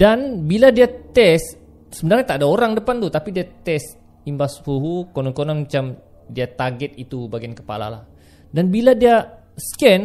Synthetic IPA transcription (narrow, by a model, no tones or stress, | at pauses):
danbiladiat̪ɛs | səbənarɲat̪aːdaoɾaŋdəpant̪ut̪apidiat̪ɛs | imbashuɦukonɔnkonanmat͡ʃam | diat̪arɡɛt̪̚it̪ubaɡiankə̥pa̰la̰la̰h | danbiladia | skɛn